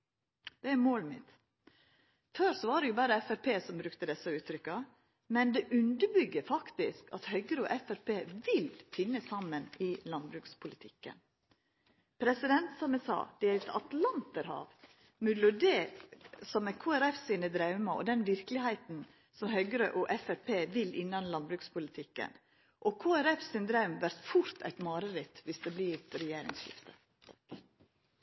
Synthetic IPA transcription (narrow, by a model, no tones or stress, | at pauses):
d̪̥ɛæmoːlmɪ̰t̪ | fœɾsɔʋɑːɖɛjʊbɑːɾəɛfæɾpʰeːsɔmbɾʉkt̪əd̪ɛsːɑʉːt̪ʰɾʏkːɑ | mɛnd̪ɛʔʉnd̪əbʏɡːəfɑkt̪ɪskɑ̰t̪hœʏɡəɾəɔ̰ʔɛfæɾpʰeːʋɪlfɪnːəsɑmːənɪlɑnbɾʉːkspʰʊlɪt̪ʰɪkːə̰n | pʰɾɛsɪd̪ɛnt̪sɑmɛsɑ̰ːd̪̥ɛɾɛt̪ɑt̪lɑnt̪əɾhɑ̰ːʋ | mʉlʊɖeːsɔmɛkʰoːæɾɛfsiːnəd̪ɾɑʉmɑʔɔ̰d̪ɛnʋɪɾklɪhæɪt̪n̩ | sɔmɦœɡəɾəʔɔʔɛfæɾpʰeːʋɪlɪnːɑnlɑnbɾʉːkspʰʊlɪt̪ʰɪkːə̰n | ʔɔkʰoːæɾɛfsind̪ɾɑʉmʋæɾt̪fʊɾt̪ʰæ̰ɪt̪mɑːɾəɾɪt̪ʋɪsd̪ɛbliɾɛjeːɾɪ̰ŋsʃɪ̰ft̪ʰə